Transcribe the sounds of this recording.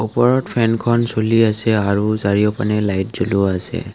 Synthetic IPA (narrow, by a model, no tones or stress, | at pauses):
upɔɹɔtpʰɛnkʰɔnsoliasɛaɹuzaɹiɔpanɛlajt̚zuluasɛ̰